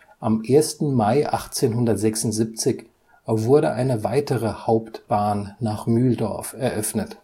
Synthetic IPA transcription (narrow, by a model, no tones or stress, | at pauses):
ʔamʔeːɐstn̩maɪʔa̰χt͡seːnɦʊndɐtz̥ɛksʊntz̥ip̚t͡sɪç | vʊɐɾəʔaɪnəvaɪtəʁəhaʊptb̥aːnːaːχmyːldɔɐfɛɐʔœfnət